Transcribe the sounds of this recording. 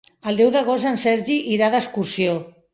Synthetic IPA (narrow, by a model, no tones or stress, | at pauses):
ald̪ɛwðaɣ̞ozansɛɾʒiʔiɾaðaskuɾsio